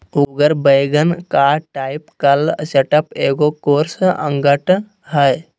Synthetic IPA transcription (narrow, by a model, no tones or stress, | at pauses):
uɡəɾbəjɡənkaʈaːipkəlseʈəpeːɡokoːɾsə̰̃ŋɡəʈ | ɦəj